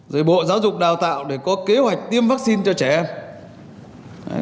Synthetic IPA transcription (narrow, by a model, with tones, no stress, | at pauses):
zəː˨˩jɓo̰˧˨zaː˨˦wzʊ˨˩k͡p̚ɗaː˨˩wt̪a̰ː˧˨wɗe˧˩kɔ˨˦ke˨˦hwa˨˩jk̟̚t̪i˧əmvaː˦˥k̚si˧nt͡ɕɔ˧t͡ɕɛ˧˩ʔɛ˧m˨˦